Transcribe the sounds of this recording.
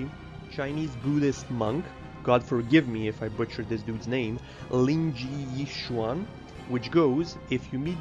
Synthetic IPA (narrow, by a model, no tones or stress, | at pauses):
t͡ʃʰãɪnizbuɾɨst̚mʌ̃ŋk | ɡ̥ɑd̥fə˞ɡɪvmiɪfajbʊt͡ʃə˞ðɪsdudznẽɪ̃m | lĩŋd͡ʒiiʃuɑ̃n | wɨt͡ʃɡ̥oʊz | ɪfjɨmi